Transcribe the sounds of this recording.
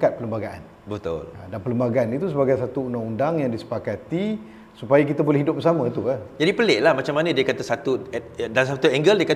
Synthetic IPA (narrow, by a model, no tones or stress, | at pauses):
kat̪̚pələmbaɡaʔa̰n | bət̪ʊ̰ladanpələmbaɡaanit̪us̬əbaɡajsat̪uundaŋundaŋjaŋdisə̥pakat̪i | supajakit̪abolɛhɦidʊp̚bəsamə̃t̪uad͡ʒadipəleʔlahmat͡ʃamːanə̃diəkat̪asat̪uɛdasat̪uɛŋɡəldiəka